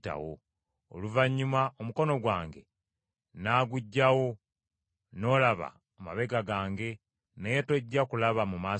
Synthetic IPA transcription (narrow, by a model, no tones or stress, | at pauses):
ta̰wo̰ː | luvaɲːumaomuko̞no̞ɡwaːŋɡe̞̰ | naːɡuɟːawo̞ | no̞ːlaβa̰ːma̰βe̞ɡaɡaːŋɡe̞ | nejetoɟːakulaβamumaː